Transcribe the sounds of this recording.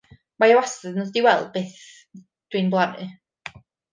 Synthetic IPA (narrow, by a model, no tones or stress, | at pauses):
majawasɨðnɔðdiwɛl̚ˠbeːθ | d̥winblˠanɨ̰